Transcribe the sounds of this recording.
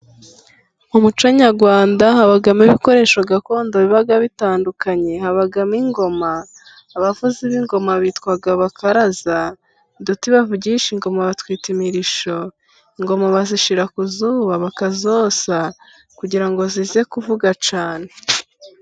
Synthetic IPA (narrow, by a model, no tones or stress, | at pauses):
umut͡ʃoɲaɾɡwaːndaɦaβaɡamiβiko̞ɾe̞ʃoɡako̞ːndoβiβaɡaβitaːndukaɲe̞haβaɡamiŋɡo̞maː | βavuziβiŋɡo̞maβiːtkwaɡaβakʰaɾaza | dutiβavuɟiʃiŋɡo̞maβatwiːtimiɾiʃo̞ | iŋɡo̞maβaziʃiɾakuzuːβaβakazosa | kuɟiɾaŋɡozize̞kuvuɡat͡ʃaːne̞